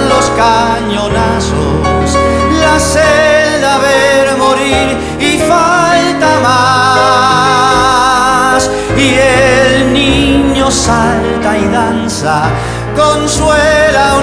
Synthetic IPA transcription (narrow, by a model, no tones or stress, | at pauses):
lo̞ska | ɲonaso̰ | s | laseld̪aβeɾmoɾiɾ | ifalt̪ama | s | ielniɲo̞salt̪aiðansa | konswela